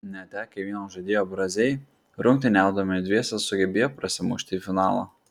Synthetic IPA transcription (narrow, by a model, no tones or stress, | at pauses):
nʲɛt̪ʲɛkʲɐʋʲiɛnoːʒɐd̪ʲeːjoːbɾɐzʲɛɪ | ɾʊŋkt̪ʲɪnʲɛˑʊd̪ɐmʲɪd̪ʲʋʲiɛsʲɐsʊɡʲɛbʲeːjoːpɾɐsʲɪmuʃʲt̪ʲɪːfʲɪnɑːlˠɐ̰